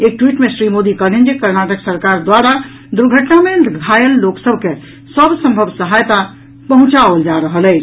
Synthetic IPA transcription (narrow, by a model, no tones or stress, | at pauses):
ek̚ʈwiʈmesɾimod̪ikəɾlend͡ʒekəɾnaʈəksəɾkaɾd̪waɾa | d̪uɾɡʱəʈnamed̪ɡʱajəlːoksəbʱke | səbsə̃mbʱəbsəɦajt̪a | pəɦũt͡ʃaʋəld͡ʒaɾəɦəlɛːt͡ʃʰ